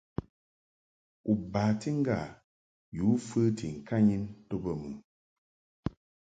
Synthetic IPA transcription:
u˨ba˨ti˦ŋ̩˦ɡa˦˨ | ju˨˦fə˦ti˨ŋ̩˨ka˦ɲi˦nto˦bə˦˨mu˨

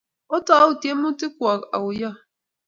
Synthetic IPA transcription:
ɔ˦ta˦ʊ˨te˦mʊ˦tɪ˦kʷa˨a̰˨ʊ˨ja˦

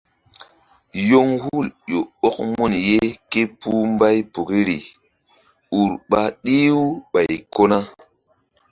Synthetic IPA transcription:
jo˦ŋhu˦˨ljo˨o˦k̚mu˦˨nje˦ke˦pu˦mba˦jpo˨ki˦ɾi˨ | u˨ɾɓa˨ɗi˦wu˦ɓa˨jko˦na˦

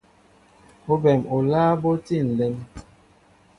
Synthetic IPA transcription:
o˦bɛ˨mo˨laː˦bo˦ti˦˨n̩˨lɛ˦m

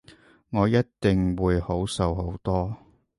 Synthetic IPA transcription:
ŋɔː˨˧jɐ˥tt̪ɪ˨ŋwuː˨˧jho˨˥wsɐ˨˧who˨˥wt̪ɔː˥

